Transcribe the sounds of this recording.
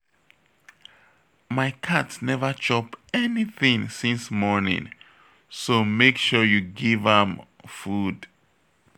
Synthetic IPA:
maɪkʰatsnɛvə˞t͡ʃɔpɛniθĩŋsĩnsmɔɹnḭ̃ŋ | somekʃɔjuɡivə̃m | fud̥

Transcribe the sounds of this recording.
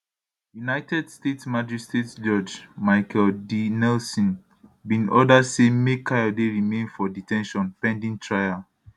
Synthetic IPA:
junaɪtʰɛdstetsmad͡ʒɛstetsd͡ʒɔd͡ʒmaɪkʰɛldinɛlsɔ̃n | bĩnɔdadsemekʰajɔdeɹimẽnfɔditʰɛ̃nʃɔ̃npɛ̃ndĩŋtʰɹajal

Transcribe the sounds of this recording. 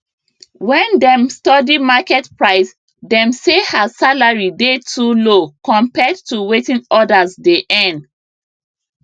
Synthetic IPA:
wɛ̃ndɛ̃mstɔdimakɛtpɹaɪs | dɛ̃msehasalaɹidetʰulokɔ̃mpɛdtuwetĩnɔdazdeʔɛ̃nd

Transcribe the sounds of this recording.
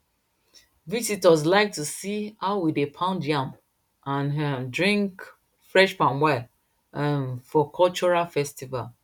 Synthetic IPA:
visitɔs̬laɪk̚tusihaʊwidepʰãʊ̃ndjãm | ãndɹĩŋk | fɹɛʃpãnwɛ | amfɔkʰɔlt͡ʃɔɹafɛstival

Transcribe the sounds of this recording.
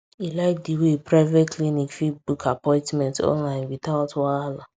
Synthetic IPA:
ilaɪk̚diwepɾaɪvetklinikfitbukʰapɔ̃ɪ̃ntmɛ̃ntɔ̰̃nlaɪ̃nwitaʊtwaala

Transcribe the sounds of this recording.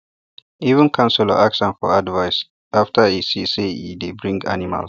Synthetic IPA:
ivə̃nkʰãnsula̰ʔaksə̃nfɔadvaɪs | ʔaftʰəisiseidebɹĩŋɡa̰nima̰l

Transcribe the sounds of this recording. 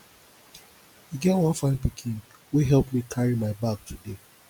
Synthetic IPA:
hiɡɛtwʌ̃nfãnpikʰĩn | wiɦɛlpmikʰaɹimaɪbak̚tʰude

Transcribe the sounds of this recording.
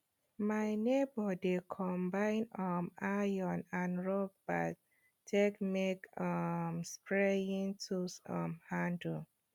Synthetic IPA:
majnebɔdekʰɔ̃mbãɪ̃nɔmajɔ̃nãnɹɔb̚bat | tʰekmekɔmspʰɹejĩŋtʰusɔ̰̃mhãndə

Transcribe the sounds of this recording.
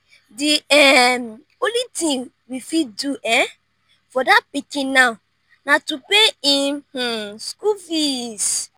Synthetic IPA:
dɪɛm | politĩŋ | wifiduʔɛ | fɔdapikinãʊ | natupeĩh̩skufis

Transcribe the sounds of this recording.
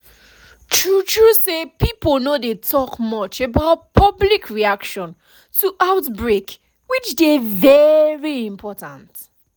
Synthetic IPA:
tʰɹutʰɹusepipənodetʰɔkmʌt͡ʃebaʊt̚pʰʌblikʰɹiakʃɔ̃n | tʰuʔaʊtbɹek | wit͡ʃdevɛɹiĩmpʰɔtãnt

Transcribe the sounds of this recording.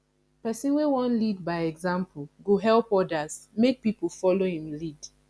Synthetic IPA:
pɛsĩnwewɔ̃nlid̚baɪɛɡzãmpʰuɡoɦɛlpɔdazmek̚pipol̩fɔlohĩmlid̥

